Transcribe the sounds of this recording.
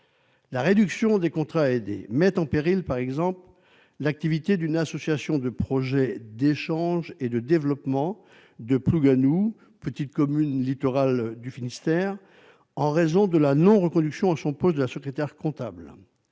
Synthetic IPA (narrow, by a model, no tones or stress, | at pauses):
laʁed̪yksjɔ̃d̪ekɔ̃t̪χaed̪ḛmɛt̪ɑ̃peʁilpaʁɛɡzɑ̃pl | lak̚t̪ivit̪ed̪ynasɔsjasjɔ̃d̪əpχɔʒɛd̪eʃɑ̃ʒed̪əd̪evlɔpmɑ̃ | d̪əpluɡanu | pət̪it̪̚kɔmynlit̪ɔʁald̪yfinist̪ɛːʁ | ɑ̃ʁezɔ̃d̪əlanɔ̃ʁəkɔ̃d̪yksjɔ̃asɔ̃pɔsd̪əlasəkχet̪ɛʁkɔ̃t̪abl